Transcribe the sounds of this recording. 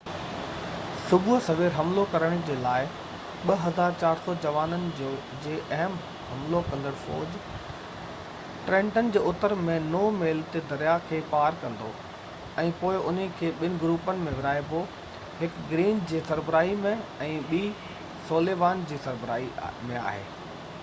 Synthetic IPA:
sʊbʱʊsɐʋeːɾɦɐmlokɐɾəɽ̃d͡ʑeːlaːɪ | ɓɐɦɐzaːɾt͡ɕaːɾsɔd͡ʑɐʋaːnənɪ̆d͡ʑoː | d͡ʑeːʔɐɦəm | hɐmlokɐ̃nd̪əɽ̃fɔ̰ːd͡ʑ | ʈɾɛ̃ːɳʈənɪ̆d͡ʑeːʊt̪əɾmẽnoːmeːlt̪ed̪ɐɾijakʰeːpaːɾkɐ̃nd̪o̰ | ɛ̃ːpoːɪʔʊnəkʰeːɓɪnɪ̆ɡɾuːpənɪ̆mẽʋɪɾaːɪbo | hɪkɡɾiːnd͡ʑeːsɐɾbɾaːimẽɛ̃ːɓiː | soːleːʋaːnd͡ʑiːsɐɾbɾa̰ːimẽa̰ːɦḛː

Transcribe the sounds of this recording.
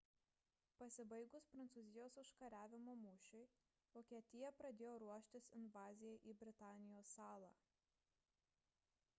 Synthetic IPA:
pɐsʲɪbɐɪɡʊspɾɐnt̪suːzʲɪjoːsʊʃkɐɾʲæːʋʲɪmoːmʊʃʲʊɪ | ʋoːkʲiɛt̪ʲɪjɛpɾɐd̪ʲeːjoːɾuɔʃʲt̪ʲɪsɪnʋɑːzʲɪjɛʔiːbʲɾʲɪt̪ɑːnʲɪjoːsːɑːlˠɑ̰ː

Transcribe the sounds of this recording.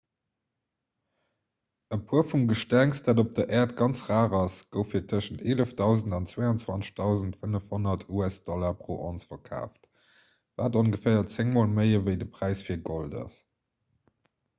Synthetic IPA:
əpʰuɐfumɡəʃtæŋstd̥aːdop̚d̥ɐʔɛːɐtɡɑnt͡sʁaːʁɑsɡ̥əʊfiːɐtʰəʃəntʰeːləfd̥ɑʊzəndɑnt͡sweɪɑnt͡swɑnt͡sə̥ʃd̥ɑʊzəntfənəfhonɐtʰuæsd̥ɔlɐpʁoːʔɔnsfɐkʰa̰ːft | vaːdonɡəfæːɐt͡seŋmoːlməɪəvəɪdəpʁæɪsfiːɐɡoldɑ̰s

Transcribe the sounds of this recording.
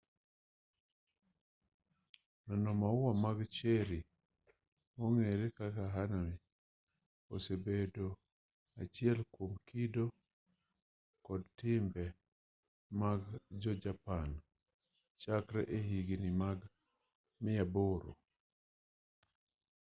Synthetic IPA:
nɔnɔmaʊwamaɡt͡ʃeɾi | moŋeɾekakaɦanami | o̰sebedo | at͡ʃɪɛlkwomkido | kɔdtɪmbɛ | maɡd͡ʒɔd͡ʒapan | t͡ʃakɾɛ̰ʔeɦiɡinɪmaɡ | mɪjaboɾo̰

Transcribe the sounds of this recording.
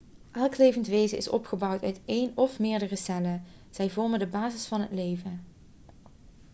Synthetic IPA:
ʔɛlˠklejvəntʋejzəʔɪ̰sɔ̰pχəbɑwtœɥtejnɔfmɪːɹdərəsɛlə | z̥ɛjvɔɹməndəbaːzɪsfɑnɦətlejvən

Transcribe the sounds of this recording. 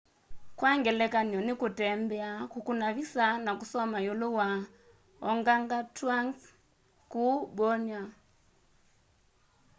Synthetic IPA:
kwaŋɡɛlɛkanjɔnikutɛmbɛakukunaβisanakusɔmajolowa | ɔŋɡaŋɡataŋs | kuɓɔɲa

